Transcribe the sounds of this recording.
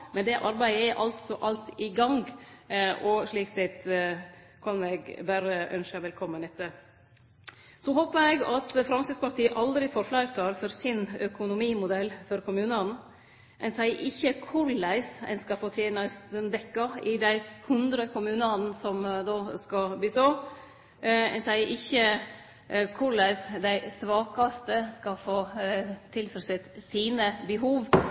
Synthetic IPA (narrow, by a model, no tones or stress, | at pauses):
mɛnd̪ɛʔɑɾbæɪəɛɾʔɑlt̪sɔʔɑlt̪ɪɡɑŋɡ | ʔɔʂɭiːksɛt̪ | kʰɑnɛɡbæːɾəʔœ̰nʃəʋɛlkʰɔmːənɪt̪ə | sɔɦoːpəɾɛɡɑt̪fɾɑmsɪd̪spɑʈ̪ʰiːəʔɑld̪ɾɪfɔɾflæɪɾt̪ʰɑɾfɔɾsɪnœkʊnʊmiːmʊd̪ɛlːfɔɾkʰʊmʉːnən | mʔɛnsæɪʔɪçːəkʰʊɾlæɪsɛ̰ɪnskɑpʰɔt̪ʰɛːnɑst̪ənd̪ɛkːɑɪd̪æɪhʉnd̪ɾəkʰʊmʉːnɑnn̩sɔmd̪oːskɑbliːsɔ | ɛ̰nsæɪʔɪçːə | kʰʊɾɭæɪsd̪æɪsʋɑːkɑst̪əskɑfoːt̪ʰɪlfɾsɪt̪siːnəbəɦuːʋ